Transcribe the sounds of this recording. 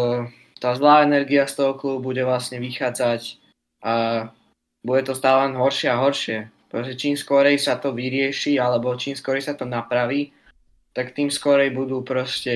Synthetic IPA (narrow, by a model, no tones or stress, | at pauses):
t̪aːzlaːɛnɛɾɡiast̪ɔɦɔkluːbubuɟɛʋlasɲɛʋixaːd͡zac | ʔa | buɟɛt̪ɔst̪aːlɛlɛnɦɔɾʃɪɛaɦɔɾʃɪɛpɾɔscɛt͡ʃiːmskɔɾɛjsat̪ɔʋiɾɪɛʃialɛbɔt͡ʃiːmskɔɾɛjsat̪ɔnapɾaʋiː | t̪akt̪iːmskɔɾɛjbud̪uːpɾɔscɛ